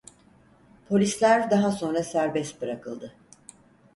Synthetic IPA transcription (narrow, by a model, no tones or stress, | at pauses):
pʰo̞lʲislʲæɾd̪aɦaso̞nɾasæɾbɛst̪̚bɯɾakʰɯlˠd̪ɯ